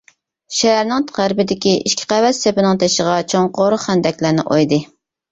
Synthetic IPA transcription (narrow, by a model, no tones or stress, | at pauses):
ʃæɦæɾnɪŋt̪ʁæɾbɪd̪ɪkʲiʔiʃkʲʰɪ̥qævɛt̪sepɪnɪŋt̪ʰeʃəʁɑt͡ʃʰoŋqoɾʊχænd̪ɛkʲlæɾnɪ̰ʔojd̪ɨ